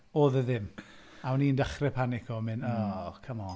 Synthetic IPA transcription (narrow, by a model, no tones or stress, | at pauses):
oːðəðɪm | awniːəndaχrɛpʰanɪkʰɔmɪnɔːkʰəmɔ